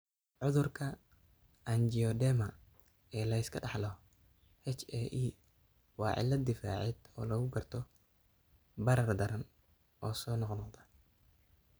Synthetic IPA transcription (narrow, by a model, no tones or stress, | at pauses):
ʕʊðʊrkʰɐ | ʔɐnd͡ʒiɔd̪ɛmɐ | ɛːlɐɪskʰɐɖɑħlɔ | hɛt͡ʃɛʔiː | wɑːʕɪ̰lːɐd̪ɪfa̰ːʕɛd̪̥ɔːlɐɣʊɡɐrt̪ʰɔ | bɐɾɐrd̪ɐɾɐn | ʔɔːsɔːnɔqnɔqd̪ɐ